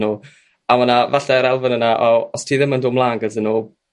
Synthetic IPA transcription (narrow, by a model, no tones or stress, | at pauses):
nuː | amanavaɬɛɾɛlˠvənənaʔɔɔstʰiːðɪməndʊːmlˠaːŋɡəsənːuː